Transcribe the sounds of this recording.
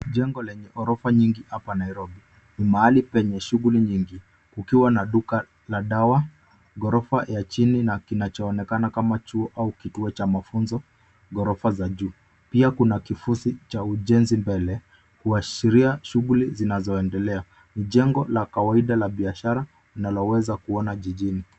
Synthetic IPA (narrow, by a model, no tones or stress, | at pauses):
ʄɛŋɡɔlɛɲɛʔɔɾɔfaɲiŋɡihapanaiɾɔbi | nimaalipɛɲɛʃuɣuliɲiŋɡi | kukiwanaɗuka | laɗawa | ɡɔɾɔfajat͡ʃininakinat͡ʃɔːnɛkanakamat͡ʃuɔʔaukituɔt͡ʃamafunzɔ | ɠɔɾɔfazaʄuː | piakunakifusit͡ʃauʄɛnzimbɛlɛ | kuaʃiɾiaʃuɣulizinazɔɛndɛlɛa | niʄɛŋɡɔlakawaiɗalaɓiaʃaɾa | inalɔwɛzakuɔnaʄiʄini